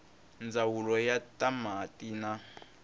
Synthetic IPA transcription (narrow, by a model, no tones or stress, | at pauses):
nd͡zawulɔjatʼamatʼina